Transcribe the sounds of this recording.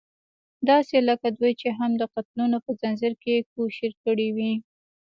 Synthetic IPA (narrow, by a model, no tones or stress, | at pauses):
d̪ɑseləkad̪ujt͡ʃeɦamd̪əqat̪lunopəzanzɪɾkekoʃɪɾkəɽiwi